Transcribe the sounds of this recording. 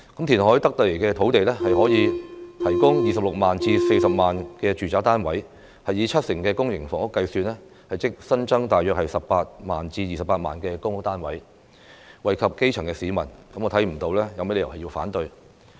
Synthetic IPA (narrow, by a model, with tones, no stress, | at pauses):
kɐ˨˥mt̪ʰiː˨˩nɦɔː˨˥jt̪ɐ˥k̚t̪o˨˥le˨˩kɛː˧t̪ʰo˨˥wt̪e˨jlɛː˥hɐ˨jɦɔː˨˥jiː˨˧t̪ʰɐ˨˩jkʊ˥ŋjiː˨˩sɐ˨p̚lʊ˨k̚maː˨˩nt͡siː˧se˧jsɐ˨p̚maː˨˩nkɛː˧t͡ʃyː˨˩t͡saː˨˥t̪aː˥nwɐ˨˥j | hɐ˨jiː˨˧t͡ʃʰɐ˥t̚sɪ˨˩ŋkɛː˧kʊ˥ŋjɪ˨˩ŋfɔː˨˩ŋʊ˥kːɐ˧jsyː˧nlɛː˥ | hɐ˨jt͡sɪ˥k̚sɐ˥nt͡sɐ˥ŋt̪aː˨jːœː˨k̚hɐ˨jsɐ˨ppaː˧t̚maː˨nt͡siː˧jiː˨sɐ˨paː˧t̚ma̰ː˨˩nkɛː˧kʊ˥ŋ˥t̪aː˥nwɐ˨˥j | wɐ˨jkʰɐ˨p̚ke˥jt͡ʃʰɐ˨˩ŋkɛ˧siː˨˥mɐ˨˩nkɐ˨˥mɔː˨˧t̪ʰɐ˨˥jm̩˨˩t̪o˧wlɛː˥jɐ˧wme˥le˨˧jɐ˨˩whɐ˨ji˧wfa̰ː˨˥nt̪ɵ˧ɥ